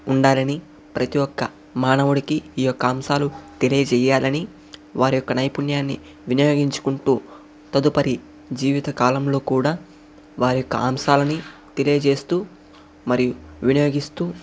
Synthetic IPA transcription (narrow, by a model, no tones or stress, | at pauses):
uɳɖaːlɐni | pɾɐt̪ijɔkːɐ | maːnɐʋuɽikiiːjɔkːɐaːmsaːlut̪e̞liːt͡ʃɛjaːlɐni | ʋaːɾijɔkːɐnɐjpunjaːnːḭ | ʋinɐjo̞ːɡiɲt͡ʃu̥kuɳʈuː | t̪ɐd̪upɐɾi | d͡ʒiːʋit̪ɐkaːlɐmlo̞ːkuːɽaː | ʋaːɾijɔkːɐ̰aːmʃaːlɐnit̪e̞lieːd͡ʒe̞ːst̪uː | mɐɾijuʋinɐjo̞ːɡist̪uː